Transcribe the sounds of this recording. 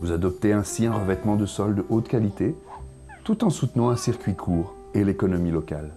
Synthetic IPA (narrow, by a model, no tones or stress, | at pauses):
vuzad̪ɔp̚t̪eɛ̃siɛ̃ʁəvɛt̪mɑ̃d̪əsɔld̪əʔot̪kalit̪e | t̪ut̪ɑ̃sut̪nɑ̃ɛ̃siʁkʲɥikʰuːʁ | elekɔnɔmilɔkal